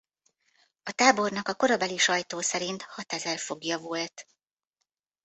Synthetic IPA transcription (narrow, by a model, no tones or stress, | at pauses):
ɒt̪aːbo̞rnɒkɒko̞ɾɒbɛliʃɒjt̪oːsɛɾint̪hɒt̪ɛzɛlfo̞ɡjɒvult̪